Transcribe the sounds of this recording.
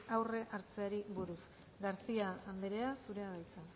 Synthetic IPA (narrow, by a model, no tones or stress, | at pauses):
awre̞ʔaɾt͡se̞aɾiβuɾus | ɡaɾsiaːnd̪eɾe̞asuɾe̞aðajt͡sa